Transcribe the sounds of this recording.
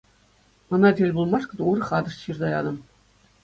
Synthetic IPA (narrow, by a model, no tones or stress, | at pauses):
ɤ̆nɑdʲelʲbulˠmɑʂkɤ̆d̪urɤ̆χɑd̪ɤ̆ʂɕird̪ɑjɑd̪ɤ̆m